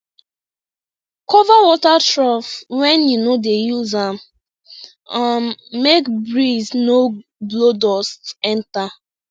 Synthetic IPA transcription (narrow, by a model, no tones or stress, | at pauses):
kɔvawɔtatɹɔfwɛ̃njunodejuzãm | anmekbɹiznoblodɔstɛ̃nta